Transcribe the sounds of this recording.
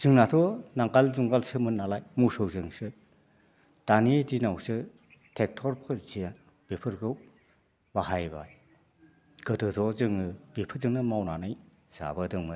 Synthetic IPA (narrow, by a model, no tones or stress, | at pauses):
z̥ɯŋnat̪ʰɔnaŋkalzuŋɡalsɯmɯnːalajmusɯwzɯŋsɯ | d̥anidinawsɯ | tʰek̚tʰɔɾpʰɯɾzijan | b̥ipʰɯɾɡɯw | baɦajba̰j | ɡ̥ɯtɯtʰɔzɯŋɯb̥ipʰɯɾzɯŋnɯmawnanɯj | z̥a̰bɯdɯŋmɯ